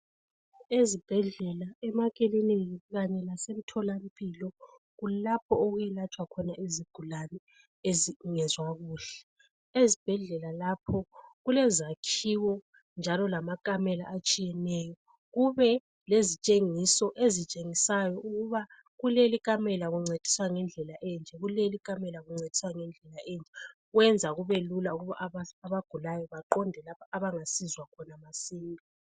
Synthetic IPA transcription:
ezib̥ʱɛɮɛlaɛmakʼeliniɣaɲɛlasem̩tʰɔlam̩pʼiːlɔ | ɣulapʰɔɔɣujɛlat͡ʃʼwakʰɔnaʔeziɡ̥ʱulanɛ | ezŋɛzwaɣuːɬɛ̥ | ezib̥ʱɛɮɛlalapʰɔɣulɛzakʰiwɔ | nd͡ʒʱalɔlamakʼamɛla̰ʔat͡ʃʼijɛnɛjɔ | ɣuβɛ | lezit͡ʃʼeŋisɔʔezit͡ʃʼeŋisajɔuɣuβa | ɣulelikʼamɛlaɣuŋ͡ǀʱed̥ʱi̥swaŋɛnd͡ɮʱɛlaʔɛnd͡ʒʱɛɣulelikʼamɛlaɣuŋ͡ǀed̥ʱi̥swaŋɛnd͡ɮʱɛlaʔɛnd͡ʒʱɛ | ɣwɛnd͡zʱaɣuβelulauɣuβa̰ʔaβaɡ̥ʱulajɔβaǃɔndʱɛlapʰaaβaŋasizwakʰɔnamasiːŋɔ

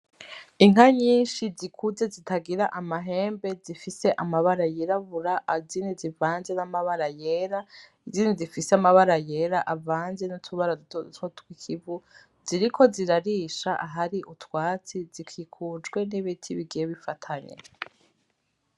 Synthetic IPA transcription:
iŋ̥aɲiːnʃizikʰuze̞zitʰaɡiɾaʔamaɦe̞ːmbe̞zifise̞ʔamaβaɾajiɾaβuɾaʔaziːnizivaːnze̞namaβaɾajeɾaiziːndizifiseamaβaɾajeːɾaʔavaːnze̞nutʰuβaɾaduttotkwikʰivu | z̥iɾikʰo̞ziɾaɾiʃaʔaɦaɾiʔutwaːt͡sizikʰikʰud͡ʒɡwe̞niβitʰiβiɡijeβifatʰaɲḛ

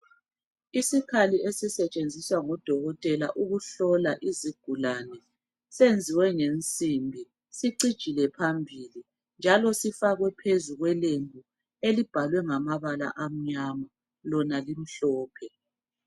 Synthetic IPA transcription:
isikʰaliesisɛt͡ʃʼend͡zʱiswaŋɔd̥ʱɔɣɔtʼɛla̰ʔuɣuɬɔlaʔiziɡ̥ʱulanɛ | send͡zʱiwɛŋent͡sʼimbʱi | siǀid̥ʒ̥ʱilɛpʰambʱili | nd͡ʒʱalɔsifaɣwɛpʰezuɣwɛlembʱu | elib̥ʱalwɛŋamaβala̰ʔam̩ɲama | lɔnalim̩ɬɔːpʰɛ

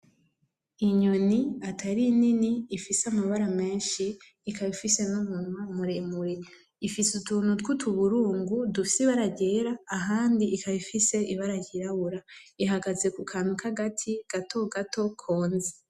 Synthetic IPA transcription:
iɲoniatʰaɾininiːfisamaβaɾame̞ːnʃiː | kaβifise̞numunmamuɾemuɾe | ifisutuːn̥hutkutʰuβuɾuːŋɡudufi̥siβaɾaɟe̞ːɾaːɦaːndiʔikaβifise̞ʔiβaɾaɟiɾaβuɾaiɦaɡaze̞kukʰaːnhukʰaɡatʰiɡ̥atʰo̞ɡatʰo̞kʰoːnze

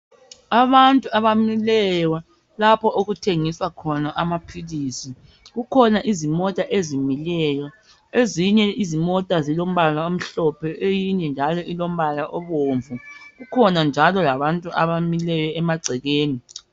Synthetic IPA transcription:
aβantʼuaβamilɛwa | lapʰɔʔoɣutʰeŋiswakʰɔnaʔamapʰiliːsi | ɣukʰɔnaʔizimɔtʼaʔezimilɛjɔ | eziɲɛizimɔtʼazilom̩βalaom̩ɬɔpʰɛʔejiɲɛnd͡ʒʱalɔʔilom̩βalaʔɔβoɱvuɣukʰɔnand͡ʒʱalɔlaβantʼuʔaβamilɛjɛɛmaɡ͡ǀʱɛɣeːni

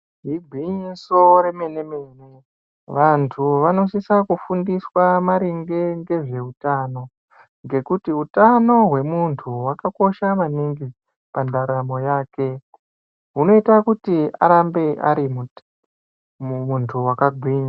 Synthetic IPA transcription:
ɦiɡʱwiɲiso̞ɾe̞me̞ne̞meːne | ʋantʰuʋano̞sisakufundiswamaɾiŋɡe̞ŋɡe̞ʐe̞utaːno | ŋɡe̞kutiutano̞ɦwe̞muntʰuwakako̞ʃamaniŋɡi | pandaɾamo̞jaːke̞ | ɦuno̞itakutia̰ɾambe̞ʔa̰ɾimu | muntʰuwakaɡʱwiɲi

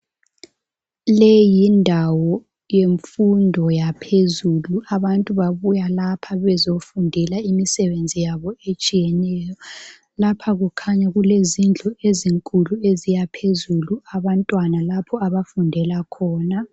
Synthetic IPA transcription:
lɛjindʱawɔ | jeɱfundʱɔjapʰezuluaβantʼuβaβujalapʰaβɛzofundʱɛlaimisɛβend͡zʱijaβɔet͡ʃʼijɛnɛːjɔ | lapʰaɣukʰaɲaɣulezind͡ɮʱɔeziŋkʼuluezijapʰezuluaβantʼwanalapʰɔaβafundʱɛlakʰɔːna

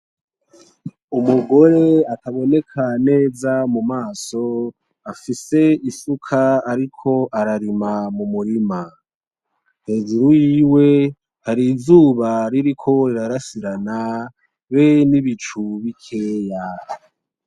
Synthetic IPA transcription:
umuɡo̞ɾe̞ataβo̞ne̞kʰane̞ːzamumaːso̞ | afise̞isukʰaaɾikʰo̞ʔaɾaɾimamumuɾima | he̞ːd͡ʒuɾojiːwe̞ | haɾizuːβaɾiɾikʰo̞iɾaɾasiɾana | βeniβit͡ʃuβikʰe̞ːja

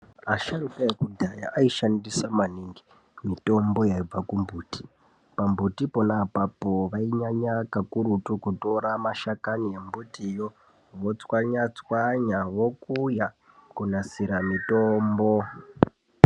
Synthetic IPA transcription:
aʃaɾukajekudʱaja̰ʔaiʃandisamaniŋɡi | mito̞mbo̞jaib͡vakumbʱuːti̥ | pambutiponaːpapoʋaiɲaɲakakuɾutukuto̞ɾamaʃakanije̞mbutijo | ʋo̞t͡swaɲat͡swaɲaʋo̞kuja | kunasiɾamitoːmbo

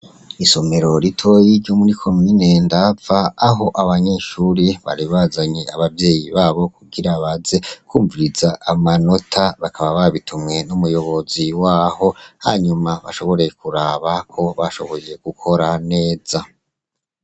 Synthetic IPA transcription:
iso̞me̞ɾo̞ɾitʰo̞jiɾɟomuɾikʰo̞mine̞ndafaːɦo̞ʔaβaɲe̞ʃuːɾiβa̰ɾiβazaɲeaβavje̞ːjiβaːβo̞kuɡiɾaβaze̞kuːɱvuɾizaʔamano̞tʰaβakʰaβaβaβitʰumŋe̞numujo̞βo̞ziwaːho̞ha̰ɲumaβa̰ʃo̞βo̞ɾe̞kuɾaːβakʰo̞βaʃo̞̰βo̞je̞ɡ̥ukʰo̞ɾane̞ːz̥a

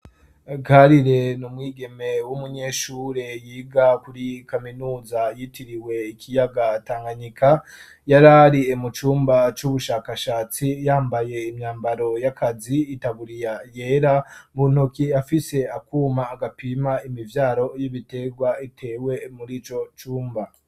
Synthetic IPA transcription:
ɡaɾiɾe̞numŋiːɡe̞me̞wumuɲe̞ʃuːɾe̞jiːɡakuɾikaminuːzajitiɾiwe̞ikʰijaɡataːŋɡaɲikʰa | jaɾaɾiemut͡ʃuːmbat͡ʃuβuʃaːkaʃaːt͡sijaːmbaje̞imɲaːmbaɾo̞jakʰaziːtaβuɾijaje̞ːɾamun̥okiafise̞akuːmaːɡapiːmaimivjaːɾo̞jiβite̞ɡwaitʰe̞ːwe̞muɾiːt͡ʃo̞t͡ʃuːmba

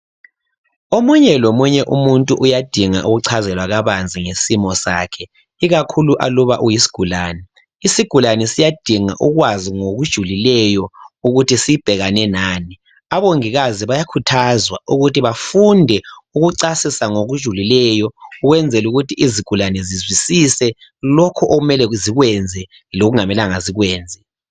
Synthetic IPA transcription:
omuɲɛlomuɲɛʔumuntʼuʔujad̥ʱiŋa̰ʔuɣuǀʰazɛlwaɣaβand͡zʱiŋesimɔsa̰kʰɛ | iɣakʰuluʔa̰luβaʔujisi̥ɡ̥ʱulaːnɛ | isiɡ̥ʱulanɛsijad̥ʱiŋa̰ʔuɣwaziŋoɣud̥ʒ̥ʱulilɛjɔuɣutisiib̥ʱɛɣanɛnaːni | aβoŋiɣaziβajakʰutʰazwaʔuɣutiβafundʱɛuɣuǀasisaŋoɣud̥ʒ̥ʱulilɛjɔuɣwɛnd͡zʱɛluɣutʰiiziɡ̥ʱulanɛzizwisisɛ | lɔkʰɔʔoɣumɛlɛziɣwɛnd͡zʱɛ | loɣuŋamɛlaŋaziɣwɛːnd͡zʱɛ

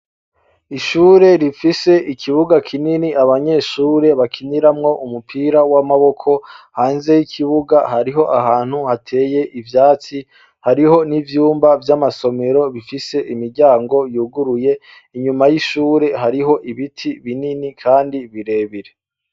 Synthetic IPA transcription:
iʃuːɾe̞ɾifise̞ʔikʰiβuɡakʰininiʔaβaɲe̞ːʃuːɾe̞βakʰiniɾamŋo̞ʔumupʰiːɾawamaβo̞kʰo̞haːnze̞jikʰiβuɡaɦaɾiɦo̞ʔaɦaːn̥huhatʰe̞ːje̞ʔivjaːt͡si | haɾiɦo̞nivjuːmbavjamaso̞me̞ɾo̞βifise̞ʔimiɾɟaːŋɡo̞juːɡuɾuje̞ | iɲumajiʃuːɾe̞ɦaɾiɦo̞ʔiβitʰiβininikʰaːndiβiɾe̞βiɾe

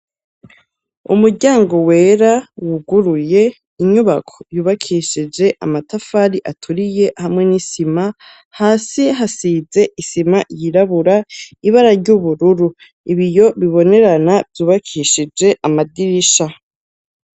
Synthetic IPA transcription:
ṵmuɾɟaːŋɡo̞weːɾawuɡuɾuje̞ | iɲuβakʰo̞̥juːβakʰiʃid͡ʒe̞ʔamatafaɾiʔatʰuɾije̞hamŋe̞nisima | haːsiɦasize̞ʔisimajiɾaβuɾaiβaɾaɾɟuβuɾuɾu | iβijo̞βiβo̞ne̞ɾanavjuːβakʰiʃid͡ʒe̞ʔamadiɾiʃa

